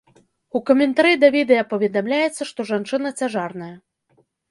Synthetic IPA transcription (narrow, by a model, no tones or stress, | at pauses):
ukɐmʲɛnt̪aɾid̪ɐvʲid̪ɛjɐpɐvʲɛd̪amlʲajɛt̪sːɐʂt̪ɔʐant͡ʂɨnɐt͡sʲaʐarnɐjɐ